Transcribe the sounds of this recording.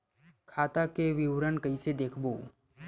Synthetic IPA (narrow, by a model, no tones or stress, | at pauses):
kʰaːt̪akeʋɪʋɾənkəɪsed̪eːkʰboː